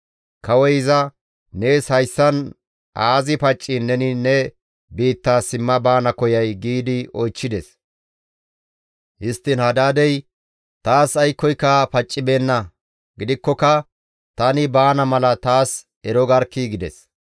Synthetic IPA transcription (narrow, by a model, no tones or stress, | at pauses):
kɐwɔjɪzɐ | ne̞ːshɐjsːɐn | ʔaːzɪpɐt͡ʃʼːɪnːɛnɪnɛ | biːt̪ːaːsɪmːɐbaːnɐkɔjɐjɡiːd̪ɪɔjt͡ʃːɪd̪ɛs | hɪst̪ːɪnhɐd̪aːd̪ɛj | t̪aːsɐjkːɔjkːɐpɐt͡ʃʼːɪbe̞ːnːɐ | ɡɪd̪ɪkːɔkɐ | t̪ɐnɪbaːnɐmɐlɐt̪aːs | ɛɾɔɡɐɾkːiɡɪd̪ɛ̰s